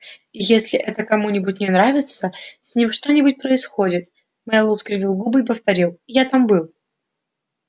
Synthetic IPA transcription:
ijesʲlʲɪʔɛt̪əkɐmunʲɪbʊtʲnʲɪnɾavʲɪt̪səsʲnʲimʂt̪o̞nʲɪbʊt̚ʲpɾəɪsxodʲɪt̪ | mɛjlˠuskɾʲɪvʲilˠɡubɨipəft̪ɐɾʲilˠijat̪ambɨlˠ

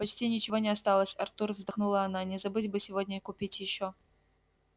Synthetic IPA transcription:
pɐt͡ɕtʲinʲɪt͡ɕɪvo̞nʲɪɐst̪alˠəsʲɐrt̪urvzd̪ɐxnulˠəɐnanʲɪzɐbɨtʲbɨsʲɪvodʲnʲəikʊpʲitʲjɪɕːo

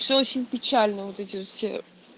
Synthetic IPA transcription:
sʲeot͡ʃʰinʲpʲit͡ʃʰalʲnɨvot̪ɛt̪ʰʲisʲḛ

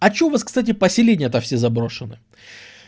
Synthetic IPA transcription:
ɐt͡ɕɪovaskst̪at̬ʲɪpəsʲɪlʲenʲɪjət̪afsʲezɐbɾo̞ʂɨnɨ

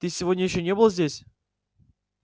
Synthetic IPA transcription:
t̪ɨsʲɪvo̞dʲnʲəjɪɕːonʲebɨlˠəzʲdʲesʲ

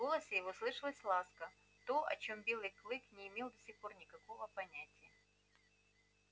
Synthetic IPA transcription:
ɡo̞lˠəsʲɪjɪvoslˠɨʂɨlˠəsʲlˠaskə | t̪o̞ʔɐ̰t͡ɕo̞mbʲe̞lˠɨjklˠɨknʲɪɪmʲelˠd̪ɐsʲixpo̞rnʲɪkɐko̞vəpɐnʲætʲɪjə

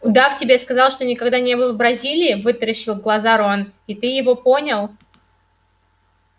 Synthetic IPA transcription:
ʊd̪aftʲɪbʲeskɐzɑlˠʂt̪o̞nʲɪkɐɡd̪anʲebɨlˠəvbɾɐzʲilʲɪːvɨt̪ɾəɕːɪlˠɡlˠɐzaɾonit̪ɨjɪvo̞po̞nʲəlˠ

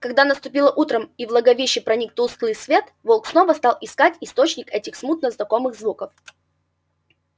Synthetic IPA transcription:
kɐɡ̚d̪anəst̪ʊpʲilˠəʔut̪ɾəmivlˠəɡɐvʲiɕːɪpɾɐnʲik̚t̪ulˠst̪lˠɨjsvʲe̞t̪volˠksno̞vəst̪alˠɪskatʲɪst̪o̞t͡ɕnʲɪkɛtʲɪxsmut̪nəznɐko̞mɨɣzvukəf

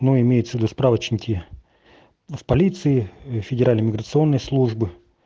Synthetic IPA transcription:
nuɪmʲejʊt̪səvʲɪd̪uspɾavət͡ɕnʲɪkʲɪ | fpɐlʲit̪sɨɪfʲɪdʲɪɾalʲnəmʲɪɡɾət̪sɨo̞nːəjslˠuʐbɨ

